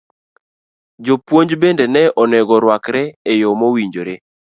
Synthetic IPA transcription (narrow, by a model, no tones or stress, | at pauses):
d͡ʒopwoɲd͡ʒbendenɛɔnɛɡɔɾwakɾɛejomowiɲd͡ʒoɾe